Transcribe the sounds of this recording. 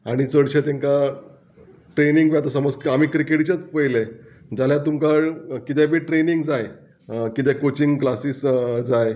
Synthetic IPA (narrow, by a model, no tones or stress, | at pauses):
aɽ̃it͡səɽɕet̪ẽŋka | ʈɾeniŋɡʋjat̪əsəməd͡zkamiːkɾikeʈt͡ɕat͡spəɦiled͡zaljat̪umkaɭkit̪ɛbiːʈɾeniŋɡd͡zaj | kit̪̬ɛ̃kot͡ɕiŋɡklasiːsd͡zaj